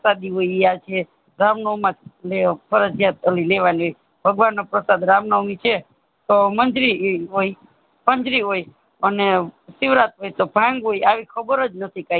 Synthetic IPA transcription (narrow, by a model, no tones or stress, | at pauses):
sad̪iɦoiiat͡ʃʰe | ɾamnomat̪ʰlepʰəɾəd͡ʒjat̪əlileʋaniɦoj | bʱəɡʋanːopɾəsad̪ɾamnəwmit͡ʃʰe | t̪omənd͡ʒɾiɦoi | pəɲd͡ʒɾiɦoj | ənesɪʋɾat̪ɦojt̪obʱãŋɡɦojaʋikʰəbəɾəd͡ʒnət̪ʰika